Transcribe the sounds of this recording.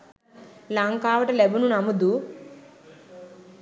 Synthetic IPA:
lɐŋkaːʋɐʈɐlebununɐmud̪u

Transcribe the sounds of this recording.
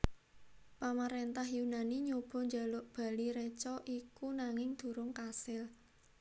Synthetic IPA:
pamaɾent̪ahjunaniɲob̥ɔ̤ɲd͡ʒalʊʔb̥a̤liɾet͡ʃɔʔikunaŋɪŋd̪̥ṳɾʊŋkasɪl

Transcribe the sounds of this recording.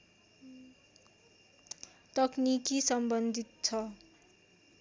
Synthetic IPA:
t̪ʌknikisʌmbʌnd̪ʱit̪̚t͡sʰʌ

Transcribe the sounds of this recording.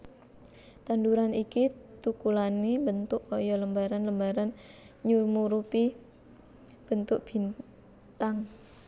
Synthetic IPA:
t̪anduɾanikit̪ukulanimbənt̪ʊʔkɔjɔləmbaɾanləmbaɾan | ɲurmuɾupi | b̥ənt̪ʊʔb̥i̤n | t̪aŋ

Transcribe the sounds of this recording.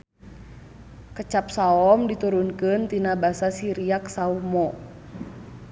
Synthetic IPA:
kət͡ʃap̚saɔmdit̪uɾunkɨnt̪inabasasiɾiaksaumɔ

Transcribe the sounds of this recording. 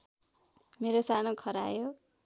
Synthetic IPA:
meɾosanokʰʌɾa̰jo

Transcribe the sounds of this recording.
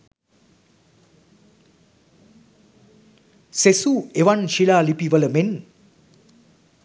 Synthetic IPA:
sesueʋanʃilaːlipiʋələmen

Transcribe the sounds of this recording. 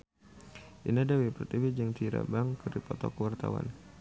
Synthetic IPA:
ʔinadawipərt̪ivid͡ʒɨŋt̪iɾa̰baŋkɨrdipɔt̪ɔkəwart̪a̰wa̰n

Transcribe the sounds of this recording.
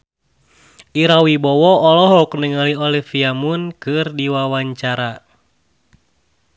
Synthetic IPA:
ʔiɾawibɔwɔːlɔɦɔk̚nəŋaliɔlifiamunkɨrdiwawaɲt͡ʃaɾa

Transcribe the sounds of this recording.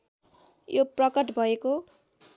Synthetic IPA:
joprʌkʌʈbʱʌeko

